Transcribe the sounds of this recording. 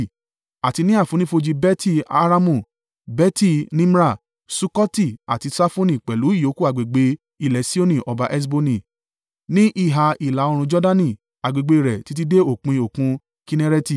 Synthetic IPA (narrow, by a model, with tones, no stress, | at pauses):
a˨ti˧nĩ˦a˦˨fũ˨˦nĩ˦fo˧d͡ʒi˧bɛ˦ti˦˨a̰˦˧ɾa˧mũ˦˨ | bɛ˦ti˦˨nĩ˦m˦ɾa˦˨ | su˦kɔ˦ti˦a̰˨ti˧sa˦fõ˦nĩ˦˨k͡pɛ˨lu˨˦i˦˨jo˨˦ku˦a˨ɡ͡be˨ɡ͡be˧˦ | i˨lɛ˨˦si˦o˦nĩ˦˨ʔɔ˧ba˧ʔɛ˦s̬bo˧nĩ˦˨ | nĩ˦ʔi˦˨ɦa˧i˨la˨˦o˧ɾ̃ũ˧d͡ʒɔ˦da˦nĩ˦˨ | a˨ɡ͡be˨ɡ͡be˧i˧˨ɾɛ˨ti˨˧˦t̬i˦de˦o˦˨kũ˧i˧o˨kũ˧˦ | ki˧nɛ˦ɾɛ˦ti˦˨